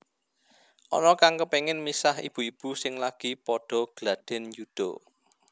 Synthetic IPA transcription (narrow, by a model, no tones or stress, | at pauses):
ʔɔ̰nɔkaŋkəpeŋɪnmisahḭb̥ṳib̥ṳsɪŋlaɡ̥i̤pɔɖ̥ɔ̤ɡ̥lad̪̥ɛ̤njud̪̥ɔ